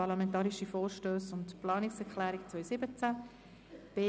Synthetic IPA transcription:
ɑɾlɑmɛntɑːɾiʃifɔːɾʃtøːsʊntplɑːniksɛɾklæːɾikt͡sʋœʏsɪbət͡sæ | b̥eː

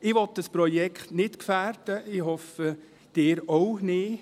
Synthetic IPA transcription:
ɪʋɔt̪̚dəspɾɔjɛkχtnɪtkfæːrd̥əʔɪɦɔfə | d̥ɪːɾownɪ

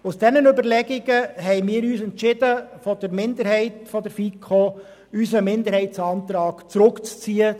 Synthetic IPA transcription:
usd̥ɛnənʏbəɾlɛɡɪɡəɦɛɪmɪːɾyːsɛntt͡ʃɪdəfɔd̥əɾmɪnd̪əɾhɛɪtfɔdəɾfikʰo | ysəmɪnd̪əɾhɛɪtt͡sɑnt̪ɾɑːɡ̥t͡sɾɵkt͡st͡siːə

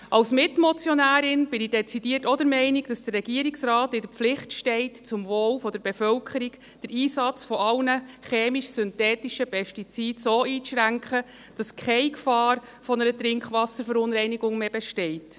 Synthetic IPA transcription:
ʔɑwsmɪtmɔt͡sjɔnæːɾɪnb̥ɪnid̥ɛt͡sid̥iːətɔdəɾmɛɪniɡd̥ɑsd̥ərːɛɡiəɾiksɾɑːtɪdəɾp͡flɪχtʃtɛɪtt͡sʊmvoːlfɔdəɾb̥efœlkʰəɾik | d̥əɾiːsɑt͡sfɔɑlnəχeːmiʃsʏntɛːtiʃəpʰɛʃtit͡siːdsoːiːt͡sʃɾæŋkχə | d̥ɑskʰɛɪkfɑːɾ | fɔnəɾətɾɪŋkχʋɑsəɾfəɾʊnɾɛɪniɡʊŋmeːbeʃtɛɪt

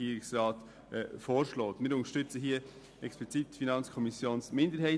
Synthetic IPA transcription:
iːɾɪksrɑːtː | foːɾʃloːtmɪːɾʊntəʃtʏt͡səɦiːɐ | ʔɛksplit͡sitfinɑnt͡skʰɔmɪsjoːnsmɪndəɾhɛɪ

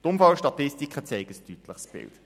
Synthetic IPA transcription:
tʊmfɑlʃtɑtɪstikχət͡seɪɡəstytləχsb̥ɪ̰lt

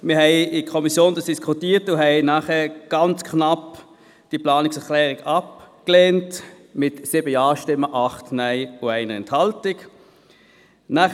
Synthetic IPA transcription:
mɪɦɛɪɪkʰɔmisjoːndɑsd̥iskʰʊtiːtʊɦɛɪnaːχɛɡ̥ɑnt͡skʰnap | d̥iplɑːnɪksɛɐklɛːʁɪɡɑp̚kleːnt | mɪtsɪbəjɑːʃtɪmːəʔɑχtnæɪʊæɪnəɛ̰nthɑltɪk | naː

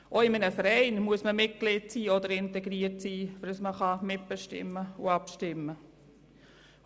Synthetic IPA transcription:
ʔoɪmənəfəɾɛɪnmuəsməmɪt̚klɪːtt͡siːɔdəɾɪntɛɡɾiːərtsiːfədəsməχɑmɪt̚b̥ɛʃtɪ̰mːəʊ̰ɑpʃtɪmːə

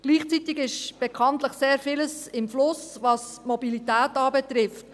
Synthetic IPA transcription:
ɡ̥liːχt͡sitɪɡɪʃb̥ɛkʰɑntləχseːɾfɪləsɪmflʊsvɑs | mɔbilitæːtɑːbɛt̪ɾɪft

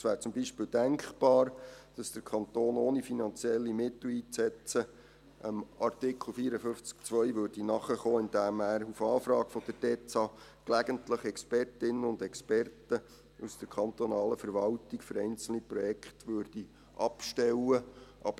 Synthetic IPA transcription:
sʋæːɾt͡sʊmbiʃpɪːld̥æŋkχb̥ɑːɾd̥ɑsd̥əɾkʰɑnt̪oːnoːnifinɑnt͡siɛlːimɪtl̩iːt͡sɛt͡sə | ʔəmɑrtɪkʰl̩ˠfiːɾəfʏft͡sk̚t͡sʋœjʋøːɾd̥inɑχəχoːɪnd̥æmæːɾufɑːfɾɑːkfɔd̥əd̥ɛːt͡sɑ | klæɡ̥əntləχɛkspɛrtɪnənʊndɛkspɛrtə | usd̥əɾkʰχɑnt̪onɑːləfəɾʋɑltikfʏɾɛɪnt͡sl̩niprɔjɛkχtʋʏːrd̥i | ʔɑpʃtɛlwəʔɑ̰bə

